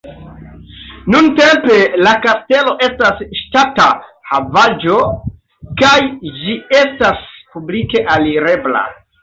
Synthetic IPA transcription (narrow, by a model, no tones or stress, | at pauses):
nunte̞mpe̞lakaste̞lo̞ʔe̞stasʃtatahavad͡ʒo̞ | kajd͡ʒie̞staspublike̞ʔaliɾe̞bla̰